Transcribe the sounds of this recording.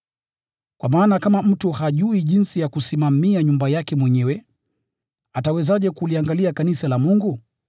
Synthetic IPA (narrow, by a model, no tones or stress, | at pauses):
kwamaːnakamam̩tuhaʄuiʄinsijakusimamiaɲumbajakɛmwɛɲɛwɛ | atawɛzaʄɛkuliaŋɡaliakanisalamuŋɡu